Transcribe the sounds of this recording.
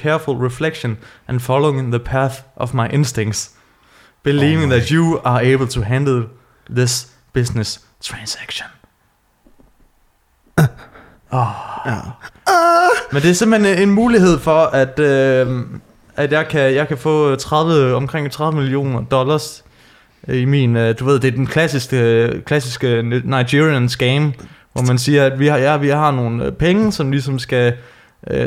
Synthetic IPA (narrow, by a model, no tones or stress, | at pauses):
kʰɛɐfulˠʁɛfleɡ̥ʃõnʔæ̃nfɒloʊɪ̃ŋðəpʰæθʔɒvmɑ̈ɪʔe̝nsd̥ẽŋ̰ɡd̥s | b̥iliːʋɪ̃ŋðædjuɑeɪbəl̩ˠt͡sʰuɦænd̥l̩ˠ | ðɪs | b̥ɪ̝snes | t͡sʰʁɑnsæɡ̥ɕon | mẽnd̥eæɐse̝mhenenmuːliɦe̝ð̞̰ˠfɒæd̥ø | æd̥jɑ̈ɪkʰæjɑ̈ɪkʰæfɔ̰ːt͡sʰʁaðˠʋəɒ̽mkʰʁeŋ̰t͡sʰʁað̞ˠʋəmilio̝̰ːnɐd̥ɒ̽lɐs | imḭːnd̥uʋe̝ð̰ˠd̥e̝ɐd̥enkʰlæsisɡ̥əkʰlæsisɡ̥ənɑ̈ɪɡiiænsɡ̥eɪmʋɒmænsiːɐæd̥ʋijʋiɪɦɑ̈no̝ːn̩pʰeŋəsɒ̽mlisɒ̽msɡ̥æ | ø